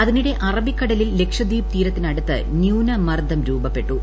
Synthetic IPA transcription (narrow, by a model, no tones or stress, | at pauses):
ɐðiniɽe̞ʔɐrɐbikːɐɽɐlilːe̞kʂɐd̪iːpt̪iːɾɐt̪ːinɐɽut̪ːɨ̰ | njuːnɐmɐrd̪ʱɐmɾuːbɐpːe̞ʈːu